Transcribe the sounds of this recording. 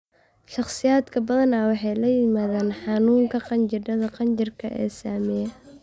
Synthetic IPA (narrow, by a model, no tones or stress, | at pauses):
ʃɑχsɪjaːd̪kʰɐbɐðɐnaːwɑħɑjlɐjɪmaːðaːnħɑnuːŋkʰɐqɑnt͡ʃɪɖɐðɐqɑnt͡ʃɪrkʰɐʔɛ̰ːsaːmɛjɛ